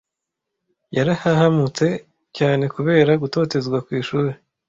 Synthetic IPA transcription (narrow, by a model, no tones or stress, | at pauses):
jaɾahahamut͡se̞ | caːne̞kuβe̞ːɾaɡuto̞ːte̞zɡwakwiːʃuːɾe